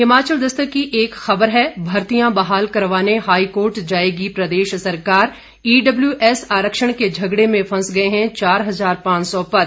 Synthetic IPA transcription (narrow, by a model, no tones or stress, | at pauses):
ɦɪmaːt͡ʃəld̪ɐst̪əkiʔeːkxɐbəɾɦɛːbʱɐɾt̪ijãbɐɦaːlkɐɾʋaːneɦaːikoːɾʈd͡ʒaːeːɡipɾɐd̪eːʃsɐɾkaːɾ | iːɖɐbljuʔɛːsaːɾəkʃəɽ̃ked͡ʒʱɐɡɽemẽfʰɐ̃sɡɐeɦɛ̃t͡ʃaːɾɦɐzaːɾpãːt͡ʃsɔpɐɾ